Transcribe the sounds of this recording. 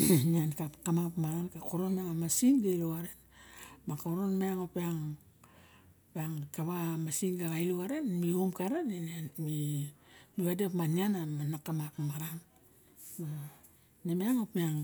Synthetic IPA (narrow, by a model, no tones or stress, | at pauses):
niankakamapmaɾankakoɾonmeaŋamasiŋɡailoaɾenbakoɾonmeaŋopiaŋ | peaŋkaβamasiŋɡaɡailoaɾe̞nmiomkaɾenenanmi | miβadepmanianamanakamakmaɾan | ma | nemeaŋopiaŋ